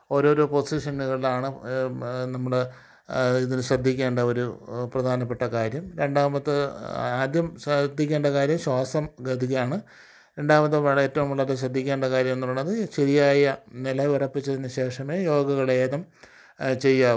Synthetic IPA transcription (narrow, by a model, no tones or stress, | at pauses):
o̞ːɾo̞ːɾoːpo̞siʂɐnːuɣɐɭilaːɳɨ | nɐmːɐɭe | iðinɨɕrɐd̪ʱːikʲːeːɳɖɐo̞ɾuprɐd̪ʱaːnɐpːe̞ʈːɐkaːɾjɐmɾe̞ɳɖaːmɐt̪ːɨaːd̪jɐmd̪ʱːikʲːeːɳɖɐkaːɾjɐmɕwaːsɐmɡɐd̪ʱiɣɐjaːɳɨ | ɾe̞ɳɖaːmɐt̪ːɨʋɐɭeːtːɐʋumuɭːɐɾeɕrɐd̪ʱːikʲːeːɳɖɐkaːɾjɐmenːuɭːɐðɨɕeɾijaːjɐnilɐirɐpːit͡ɕːɐðinːɨɕe̞ːʂɐmeːjo̞ːɡɐɣɐɭeːðɐm | t͡ɕejːaː